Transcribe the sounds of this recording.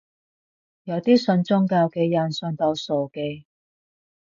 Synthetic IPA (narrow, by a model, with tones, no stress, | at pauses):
jɐ˨˧wt̪iː˥sɵ˧nt͡sʊ˥ŋkaː˧wke˧jɐ˨nsɵ˧nt̪ɐ˧wso˨wke˧j